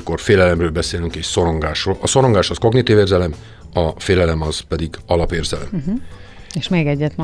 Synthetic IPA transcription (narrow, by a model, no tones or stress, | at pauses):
ko̞rfeːlɛlɛmrøːlbɛseːlyŋkeʃso̞ɾo̞ŋɡaːʃroːlɒso̞ɾo̞ŋɡaːʃɒsko̞ɡnit̪iveːrzɛlɛm | ɒfeːlɛlɛmɒz̥pɛd̪iɡɒlɒpeːrzɛlɛ̰m | eʃmeːɡɛɟːɛt̪m